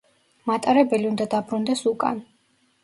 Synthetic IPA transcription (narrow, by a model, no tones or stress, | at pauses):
mat̪ʼaɾɛbɛliund̪ad̪abɾund̪ɛsukʼa̰n